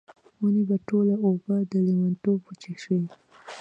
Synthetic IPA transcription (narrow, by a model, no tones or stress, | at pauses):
unibaʈolaobad̪əlimant̪obput͡ʃiʃwi